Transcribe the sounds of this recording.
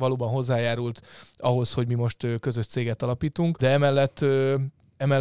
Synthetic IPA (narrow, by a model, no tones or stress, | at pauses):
ʋɒloːbɒnɦo̞zːaːjaːɾult̪ɒɦo̞sho̞ɟmimo̞ʃt̪økøzøʃt̪seːɡɛt̪ɒlɒpiːt̪uŋkd̪ɛɛmɛlːɛt̪ː | ɛmɛ